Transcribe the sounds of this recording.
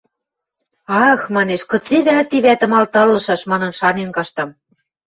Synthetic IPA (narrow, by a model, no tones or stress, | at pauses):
ɑɤ̆xmɑneʃkɤ̆t͡seβælt̪iβæt̪ə̆mɑlt̪ɤ̆rlɤ̆ʃɑʃmɑnɤ̆nʃɑnenkɑʃt̪ɤ̆m